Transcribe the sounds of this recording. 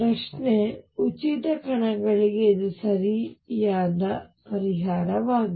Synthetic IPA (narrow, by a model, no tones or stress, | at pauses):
ɾɐʂneut͡ʃit̪ɐkɐɳɐɡɐɭiɡeːd̪usɐɾijaːd̪ɐpɐɾiɦaːɾɐʋaːɡi